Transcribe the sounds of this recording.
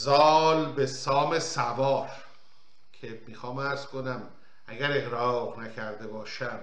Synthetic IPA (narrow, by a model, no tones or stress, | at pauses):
zɒːlbe̞sɒːme̞sævɒːɾ | kʰe̞miːxɒːmæɾz̥ko̞næm | æɡæɾeɣɾɒːʁnæcʰæɾd̪e̞bɒːʃæm